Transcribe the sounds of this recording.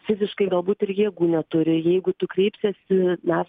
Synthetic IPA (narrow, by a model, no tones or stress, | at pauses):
fʲɪzʲɪʃkɐɪɡɐlˠbuːt̪ɪɾjiɛɡuːnʲɛt̪ʊɾʲɪjɛɪɡʊt̪ʊkɾʲɛɪpsʲɛsʲɪnɑː